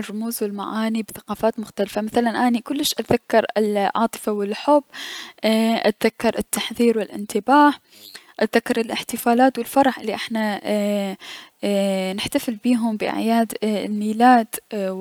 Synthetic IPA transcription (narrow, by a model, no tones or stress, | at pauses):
rˤːʊmuːzwɪlma̰ʕaːnibɪθaqɑːfaːt̪mʊxt̪alfamaθalanʔaːnikʊlːɪʃʔat̪ðakːɑɾˤɪlʕɑ̰ːt̪ˤɨ̥fawɪlħʊbː | ʔat̪ðakːɑɾˤɪt̪ːaħðiːɾwɪlʔɪ̰nt̪ɪbaːħ | ʔat̪ðakːɑɾˤɪlʔɪħt̪ɪfaːlaːt̪wɪlfɑɾˤɑħʔɪlːiʔɪħna | nɪħt̪afɪlbiːɦʊmbɪʔɪ̰ʕjaːd̪nːiːlaːt̪